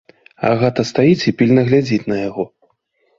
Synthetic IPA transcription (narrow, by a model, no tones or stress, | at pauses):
a̰ɣɛt̪ɐst̪ajit͡sʲipʲilʲnɐɣlʲad͡zʲit͡sʲnɐjaɣɔ